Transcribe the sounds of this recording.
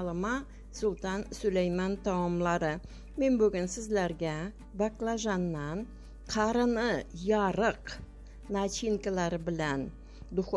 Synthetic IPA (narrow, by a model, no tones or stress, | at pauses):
lˠəmɑ | sʊlˠt̪ɑnsʊlejmɑnt̪ʰɑwɑmlˠɑɾə | me̞nbɵɡʲɪnsɪzleɾɡʲæ | baklˠaʒɑnːɑn | qʰɑɾənəjɑɾəq | nat͡ʃiŋkalˠɑɾɪbɪlæn | d̪ʊχ